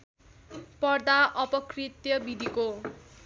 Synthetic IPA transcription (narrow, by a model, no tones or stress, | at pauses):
pʌrd̪aʔʌpʌkrit̪jʌbid̪ʱiko